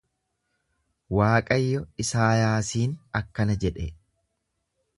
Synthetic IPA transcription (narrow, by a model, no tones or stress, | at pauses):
waːkʼɐjːɔɪsaːjaːsiːnɐkːɐnɐd͡ʒɛᶑɛ